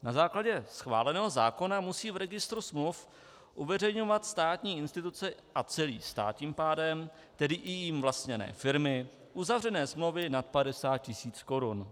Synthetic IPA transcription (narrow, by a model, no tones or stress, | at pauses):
nazaːklaɟɛsxva̰ːlɛnɛːɦo̞za̰ːko̞namusiːvɾɛɡɪst̪ɾusmluf | ʔuvɛrɛjɲo̞vat̪st̪aːt̪ɲiːɪnst̪ɪt̪ut͡sɛʔat͡sɛliːst̪a̰ːt̪ɲiːmpaːdɛm | t̪ɛdɪʔɪjɪmvlast̪ɲɛnɛ̰ːfɪɾmɪ | ʔuzavrɛnɛːsmlowvɪnat̪̚padɛsaːt̪̚cɪsiːt͡skoɾun